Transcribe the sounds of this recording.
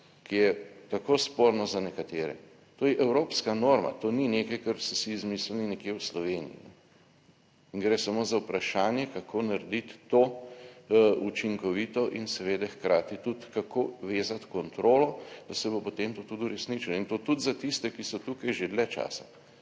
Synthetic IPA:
kijɛt̪akoːspoːɾnɔzanɛkat̪eːɾɛ̰ | t̪oːjɛʔɛwɾopskanoːɾma̰t̪oːninekajkaɾsɔsizmisl̩ninɛkjewslɔʋeːnḭjḭnɛ | iŋɡɾɛsamoːzaupɾaʃaːnjɛkakʰonaɾd̪it̪ːo | ut͡ʃiŋkɔʋiːt̪ɔʔinsɛʋeːd̪ɛxkɾaːt̪it̪ut̪kakoːʋeːzat̪kɔnt̪ɾoːlɔd̪ɐsɛbopot̪emt̪ot̪ud̪uɾɛsnit͡ʃilɔint̪oːt̪ud̪zat̪ist̪ɛkisɔt̪ukajʒed̪lɛt͡ʃa̰ːsa

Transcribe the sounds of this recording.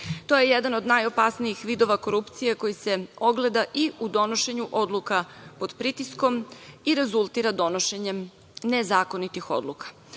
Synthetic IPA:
t̪o̞je̞jed̪ano̞d̪najo̞pasnijixʋiːd̪o̞ʋako̞ɾupt̪sijeko̞jise̞o̞ɡlˠe̞d̪aʔiud̪o̞no̞ʃe̞ɲuʔo̞d̪lˠukapo̞d̪pɾit̪isko̞miɾe̞zulˠt̪iɾad̪o̞no̞ʃe̞ɲem | nezaːko̞nit̪ixo̞̰d̪lukḁ

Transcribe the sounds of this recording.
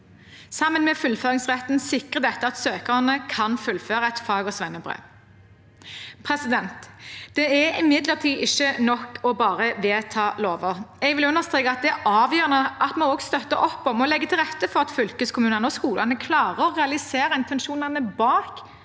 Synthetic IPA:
sɑmːənmɛfʉlføːʁɪŋsʁɛt̪ːn̩sɪkʁəd̪ɛt̪ːəɑt̪søːkəʁnəkʰɑnfʉlføːʁəɛt̪fɑːɡɔsʋɛnːəbʁḛː | pʰʁɛsɪd̪ɛnt̪d̪̥ɛæɾɪmɪd̪ləʁt̪ʰiːʔɪʃːənɔkɔbɑːʁəʋeːt̪ʰɑːloːʋəʁɛɡʋɪlʉnːəʁst̪ʁeːkəɑt̪̚d̪ɛæʔɑːʋjøːʁənəʔɑt̪mɔɔːɡst̪œt̪ːəʔɔpːɔmɔlɛɡːət̪ʰɪlʁɛt̪ːəfɔʁɑt̪fʏlkəskʰʊmʉːnənəɔskuːlʔɑnəkʰlɑːʁəɔʁɛɑlɪseːʁəɪnt̪ʰɛnʃuːnɑnəbɑːk

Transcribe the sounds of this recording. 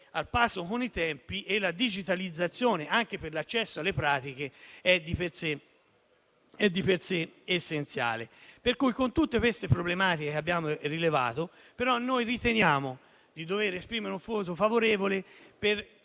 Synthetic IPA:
alpasːokonit̪ɛmpiʔelːad̪id͡ʒit̪alid̪zːat̪sːjoːneʔaŋkeperlat͡ʃːɛsːoalːepɾaːt̪ik̟eɛd̪ːiperse | ɛd̪ːiperseesːent̪sja̰ːleperkujkont̪ut̪ːekwest̪epɾoblemaːt̪ikekabːjaːmorileva̰ːt̪o | peɾɔnːojrit̪enjaːmo | d̪id̪oveɾespɾiːmeɾeuɱfoːt̪̬ofavoɾeːvoleper

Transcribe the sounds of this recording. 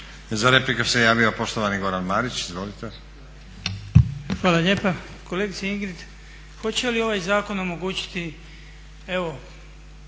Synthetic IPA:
zaɾe̞plikasejaːʋiopo̞ʃt̪oʋaniɡo̞ɾanmaːɾit͡ɕizʋo̞lit̪e | xʋaːlaʎe̞ːpa | koleɡit̪seiŋɡɾit̪ | xo̞t͡ɕelio̞ʋajzaːko̞no̞mo̞ɡuːt͡ɕi̥t̪i | e̞ʋo̞

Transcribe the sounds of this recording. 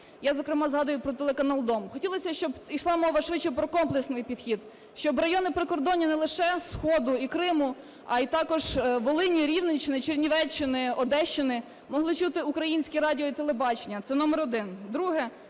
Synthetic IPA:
jazɔkɾɪmɑzɦɑd̪ʊjʊpɾɔt̪elˠekɐnɑlˠd̪ɔmxɔtʲilˠɔsʲɐʃt͡ʃɔbisˠɑmɔʋɐʃʋɪt͡ʃɛpɾɔkɔmplˠeksnɪjpʲid̪̥xʲid̪ | ʃt͡ʃɔbrɐjɔnɪpɾɪkɔrd̪ɔnʲːinɛlˠɪʃɛsxɔd̪ʊikɾɪmʊ | ɐit̪ɑkɔʒʋɔlˠɪnʲiɾʲiwnet͡ʃɪnɪt͡ʃerʲnʲiʋɛt͡ʃːɪnɪɔd̪ɛʃt͡ʃːɪnɪ | mɔɦlˠɪt͡ʃut̪ɪukɾɐjinʲsʲkʲiɾɑdʲiɔit̪elˠebɑt͡ʃenʲːɐt̪sɛnɔmɛɾɔd̪ɪnd̪ɾuɦɛ

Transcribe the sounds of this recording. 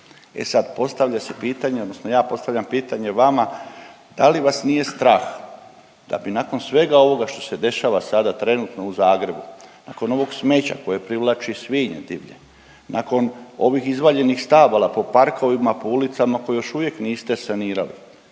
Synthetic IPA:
e̞̰sad̪po̞st̪aʋʎase̞piːt̪aɲeod̪nosnojaːpo̞st̪aʋʎampiːt̪aɲe̞ʋama | d̪̥aliʋasnije̞st̪ɾaːx | d̪̥a̰binako̞nsʋe̞ɡao̞ʋo̞ɡaʃt̪o̞̥se̞d̪e̞ʃaːʋasad̪at̪ɾe̞nut̪no̞uzaːɡɾe̞bunako̞no̞ʋo̞ɡsme̞t͡ɕa̰ko̞jepɾiʋlˠat͡ʃisʋiɲḛd̪ḭʋʎḛ | nʔa̰ko̞no̞ʋixizʋaʎe̞nixst̪aːʋalˠapo̞paɾko̞ʋimapoulit̪samako̞jejo̞ʃuʋjekniːst̪esaniːɾalḭ

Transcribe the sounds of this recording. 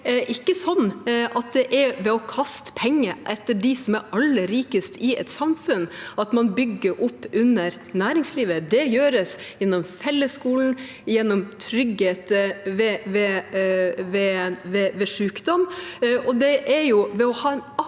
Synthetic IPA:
ʔɪkːəsɔnːʔɑt̪̚d̪ɛʔɛɾʋɛɔkʰɑst̪ə̥pʰɛŋːəʔɛt̪ːəɖɪsɔmæɾɑlːəɾiːkəst̪ɪɛ̰t̪sɑmfʉnːɑt̪mɑnbʏɡːəɾʔɔpːʉnəɾ | næːɾɪŋsliːʋəd̪ɛjøːɾəsjɛnːɔmfɛlːəskuːln̩ | jɛnːɔmt̪ʰɾʏɡheːt̪ʋɛʋɛ | ʋɛʋɛʋɛʂʉːkd̪ɔmʔɔd̪ɛʔæɾjʊʋɛɔhɑːɛn

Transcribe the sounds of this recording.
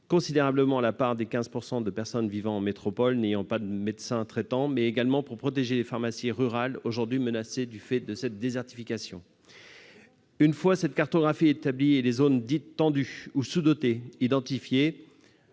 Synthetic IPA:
kɔ̃sid̪eʁabləmɑ̃lapaʁd̪ekʲɛ̃zpuʁsɑ̃d̪əpɛʁsɔnvivɑ̃ːmet̪χɔpɔlnejɑ̃pad̪əmed̪sɛ̃t̪χɛt̪ɑ̃mɛeɡalmɑ̃puʁpχɔt̪eʒelefaʁmasjiʁyʁaloʒuʁd̪ɥimənased̪yfɛd̪əsɛt̪̚d̪ezɛʁt̪ifikasjɔ̃ | ynfwasɛt̪kaʁt̪ɔɡʁafiet̪ablielezond̪it̪ːɑ̃d̪yusud̪ɔt̪eid̪ɑ̃t̪ifje

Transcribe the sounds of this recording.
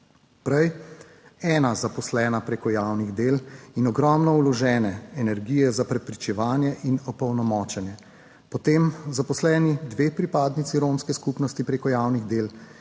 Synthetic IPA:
pɾɛj | ɛːnazapɔslɛːnapɾeːkɔjaːwniɣd̪eːlinɔɡɾɔmnɔulɔʒɛːnɛɛnɛɾɡiːjɛzapɾɛpɾit͡ʃɛʋaːnjɛʔinɔpɔwnɔmɔːt͡ʃɛnjɛ | pɔt̪emzapɔslɛːnid̪ʋeːpɾipaːd̪nit̪siɾoːmskɛskupnɔst̪ipɾeːkɔjaːwniɣd̪eːl

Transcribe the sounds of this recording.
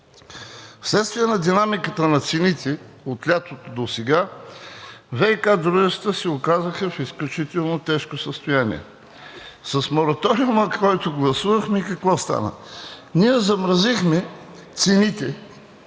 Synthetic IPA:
fslɛt̪st̪vijɛnɐd̪inamikət̪ənɐt̪sɛnit̪ɛ | ot̪lʲat̪ot̪od̪osɛɡa | vɛjkad̪ɾuʒɛt̪st̪əsɛokazəxəfisklʲut͡ʃit̪ɛlˠnot̪ɛʃkosəst̪ojanḭɛ̰ | sɐsmoɾɐt̪ɔɾiʊməkʰɔjt̪oɡlˠɐsuvɐxmɛikɐkvɔst̪a̰nə̰niɛzɐmɾɐzixmɛ | t̪sɛnit̪ɛ

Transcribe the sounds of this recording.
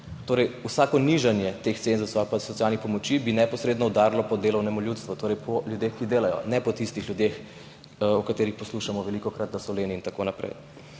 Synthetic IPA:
t̪oːɾɛjusakɔniʒanjɛt̪ext̪senzusowalpasɔtsijalnixpɔmɔt͡ʃibinɛpɔsɾeːd̪nɔud̪aɾlɔpɔd̪eːlɔwnɛmuljut̪st̪ʋut̪oːɾɛjpʰɔlʲjud̪exkid̪eːlajɔ̰nɛpɔt̪ist̪ixljud̪ex | ɔkat̪eːɾixpɔsluʃamɔʋɛlikɔkɾat̪nasɔleːniːnt̪akonapɾɛ̰j

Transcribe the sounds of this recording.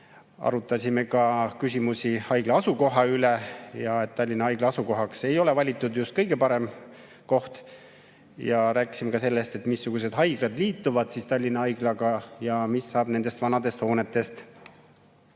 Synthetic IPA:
ɑ̰ɾut̪ːˑɑsʲimekɑkysʲimusʲihɑjɡ̥lɑɑsuko̞ɦɑylejɑet̪ːt̪ːɑlʲːinɑɑjɡ̥lɑɑsuko̞ɦɑkse̞jo̞le̞vɑlʲit̪ːˑud̪just̪̚kɤjɡ̥e̞pɑɾe̞m | ko̞ht̪ | jɑɾæːkːˑi̥simekɑse̞lːe̞st̪e̞t̪ːˑmisːuɡ̥us̬e̞d̪ɦɑjɡ̥lɑd̪̥liːt̪ːˑuvɑd̪̥sist̪ɑlʲːinɑɑjɡ̥lɑɡɑjɑmisːɑːb̥ne̞nd̪̥e̞st̪vɑnɑd̪e̞st̪ho̞ːnet̪ːˑe̞st̪

